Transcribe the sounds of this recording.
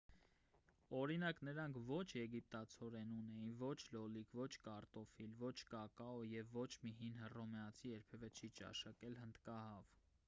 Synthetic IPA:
ɔɾinɑknəɾɑŋkʰvɔt͡ʃʰjɛɡip̚t̪ɑt͡sʰɔɾɛnunɛjinvɔt͡ʃʰlɔlikʰvɔt͡ʃʰkɑɾt̪ɔfilvɔt͡ʃʰkɑkɑɔjɛvːɔt͡ʃʰmiɦinɦərɔmɛɑt͡sʰijɛɾpʰɛvɛt͡ʃʰit͡ʃɑ̰ʃɑkɛlhənd̪kɑhɑv

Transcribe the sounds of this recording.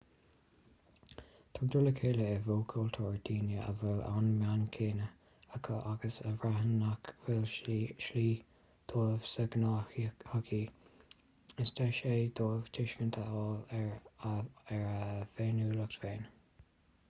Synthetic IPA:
t̪ʰɔɹd̪uləkʰeːləɛvoːkʰult̪ʰuːɹd̪iːnjəʔə̰vɛla̰nmankʰeːnə | əkʰaʔaɡəsəvɹaɦənakvɪlʃliː | d̪̥oːv̥səɡnahakʰi | ɪst̪ʰaʃeːd̪oːv̥t̪ʰɪʃkənt̪ʰəɔːl | ɛɹveːnuːləkt̪veːn

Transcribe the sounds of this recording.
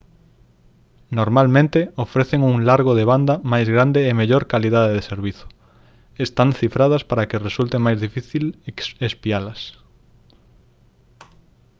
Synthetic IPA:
noɾmalmẽnt̪eofɾeθeŋuŋlaɾɣoðeβ̞and̪ɐmajzɣɾand̪eːmeʎoɾkaliðaðeðeseɾβiθʊ̥ | est̪anθifɾað̞ɐspaɾɐkɪresult̪emajzðifiθilespialɐs

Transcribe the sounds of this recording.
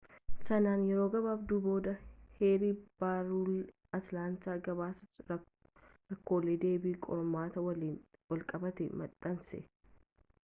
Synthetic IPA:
sɐnaːnjɛɾoːɡɐbaːbd̪uːbo̞ːd̪ɐheːɾiːb̥aːɾuːl | ɐt̪laːnt̪aːɡɐbaːsɐ | ɾɐkːo̞ːleːd̪e̞ːbiːkʼɔɾɐmaːt̪ɐwɐliːnwɐlkʼɐbɐt̪ɛmɐᶑʼɐnsɛ̰

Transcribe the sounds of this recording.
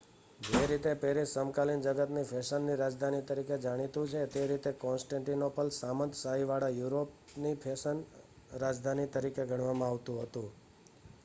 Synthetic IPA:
d͡ʒeɾit̪epeɾisəmkalind͡ʒəɡət̪nipʰeʃənːiɾad͡ʒd̪ʱanit̪əɾiked͡ʒaɽ̃it̪ũt͡ʃʰet̪eɾit̪ekɔ̃nsʈẽɳʈinopəlsamənd̪ʰʱsaɦiʋaɽajuɾopnipʰesən | ɾad͡ʒd̪ʱanit̪əɾikeɡʱəɽ̃ʋamãaʋt̪ũɦət̪ũ

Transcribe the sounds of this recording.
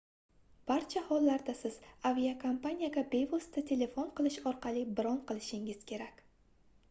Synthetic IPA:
b̥aɾt͡ʃʰahɒlˠːaɾd̪asɪz̥aviakʰompanʲijaɡʲabe̞jvɒst̪ʰat̪ʰe̞le̞fonqɨlˠɪʃɒɾqɑlibɪɾɒnqɨlˠɪʃɪŋɪz̥kʲʰe̞ɾakʲ

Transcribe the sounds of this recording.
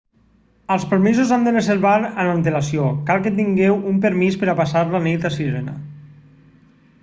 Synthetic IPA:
əlˠspəɾmizuzand̪ərezeɾβaɾənant̪elasiokalˠkət̪iŋɡɛwumpəɾmispəɾapasaɾlanit̪asiɾena̰

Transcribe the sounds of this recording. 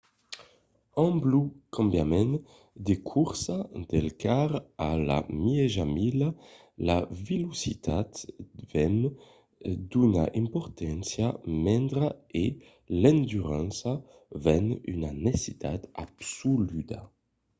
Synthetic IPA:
ɑ̃mblukɑ̃mbjamɛn | d̪ekʰuʁsad̪ɛlkaʁala̰mieʒamila | lavelusit̪at̪vɛn | d̪yna̰ʔĩmpɔʁt̪ʰɛnsjamɛ̃nd̪ʁae | lɛ̃nd̪yʁɑ̃nsa | vɛny̰nanesit̪a̰t̪absulyd̪a

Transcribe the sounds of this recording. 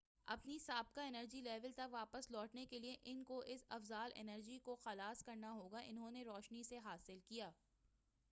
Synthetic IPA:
ɐ̰pnisaːb̚kaɪnəɾd͡ʒilɛːʋəlt̪ɐkʋaːpəslɔːʈnekelieʔɪnkoʔɪsɐ̰fzaːlʔɪ̰nəɾd͡ʒikoxɐlaːskɐɾnaɦoːɡaʔɪnɦõneɾɔːʃniseɦaːsɪlkijaː

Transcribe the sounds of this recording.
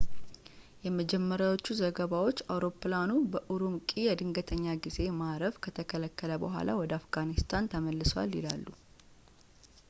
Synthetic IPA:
jɛməd͡ʒɛmːəɾjawo̞t͡ʃːuzəɡəβawo̞t͡ʃːawɾo̞planubəʔuɾumkʼijɛd̪ɨŋɡət̪ʰəɲːaɡize̞maɾəβkʰət̪ʰəkʰələkːələbəɦʷa̰la̰wɔd̪əafɡanist̪ʰant̪ʰəməlːɨswa̰lːḭlalːu

